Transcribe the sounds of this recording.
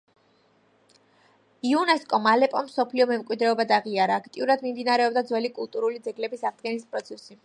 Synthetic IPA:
iunɛskʼɔmalɛpʼɔmsɔpʰliɔmɛmkʼwid̪ɾɛɔbad̪aʁiaɾaːkʰt̪ʼiuɾad̪mimd̪inaɾɛɔb̚d̪ad̪zwɛlikʼulˠt̪ʼuɾulid̪zɛɡlɛbisaʁd̪ɡɛnispʼɾɔt̪sʰɛsi

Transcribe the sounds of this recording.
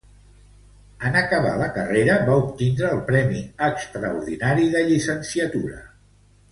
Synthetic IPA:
ənəkəβ̞a̰ləkəreɾəβaup̚t̪ind̪ɾəːlˠpɾɛmiəkst̪ɾəuɾðinaɾiðəʎisənsiət̪uɾə̰

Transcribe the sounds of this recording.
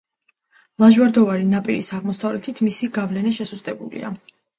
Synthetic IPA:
lˠaʒwaɾd̪ɔvaɾinapʼiɾḭsaʁmɔsavlɛt̪ʰit̪ʰmisiɡavlɛnaʃɛsuzd̪ʼɛbulḭa̰

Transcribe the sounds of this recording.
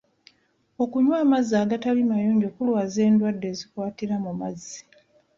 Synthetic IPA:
o̞kuɲwaːmazːaːɡatalimajoːɲɟo̞ːkulwaːze̞ːndwadːe̞ːzikwaːtiɾamumazːi̥

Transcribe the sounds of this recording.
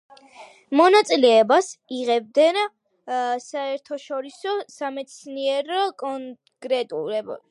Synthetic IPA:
mɔnat̪sʼilɛːbasiʁɛb̚d̪ɛn | saɛɾt̪ʰɔʃɔɾisɔsamɛt̪sʰniɛɾɔkʼɔ | kʼɾɛt̪ʼṵɾɛb

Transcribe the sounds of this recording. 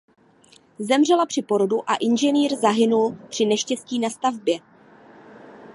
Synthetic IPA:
zɛmr̝ɛlapr̝̥ɪpo̞ɾoduʔaʔɪnʒɛniːɾzaɦɪnulpr̝̥ɪnɛʃcɛsciːnast̪avbjɛ

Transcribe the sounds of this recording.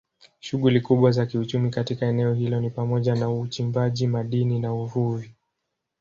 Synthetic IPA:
ʃuɠulikuɓwazakiut͡ʃumikatikaɛnɛɔɦilɔnipamɔʄanaut͡ʃimbaʄimaɗininauvuvi

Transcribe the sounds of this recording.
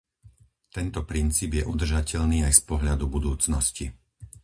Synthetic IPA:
t̪ɛnt̪ɔpɾint͡siːbjɛʔud̪r̩ʒacɛʎniːajspɔɦlad̪ubud̪uːt͡snɔsci

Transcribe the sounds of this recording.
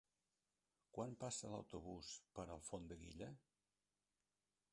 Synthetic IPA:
kwampasələ̰wt̪uβuspəɾəlˠfond̪əɣḭʎə

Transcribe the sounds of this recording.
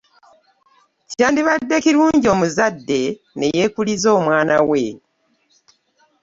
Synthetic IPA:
caːndiβadːe̞ciɾuːɲɟo̞ːmuzadːe̞ | ne̞je̞ːkulizo̞ːmwaːnawe

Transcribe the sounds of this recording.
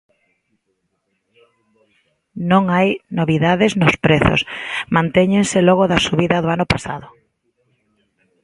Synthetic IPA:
nõŋajnoβiðaðeznospɾeθo̰smãnt̪eɲẽŋselɔɣoðasuβiðɐðoanʊpasa̰ðʊ

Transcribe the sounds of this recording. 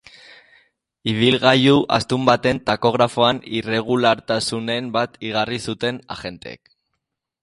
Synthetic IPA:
iβ̞ilɣajuʔa̰st̪umbat̪e̞nt̪ako̞ɣ̞ɾafo̞anire̞ɣ̞ulaɾt̪asune̞mbat̪iɣ̞arisut̪e̞na̰ɣe̞nt̪ḛḛk

